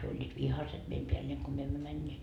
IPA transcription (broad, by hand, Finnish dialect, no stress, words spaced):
hyø olʲːiːt ʋihɑset meim peælːeːŋ ko myø emːø mænʲːeːt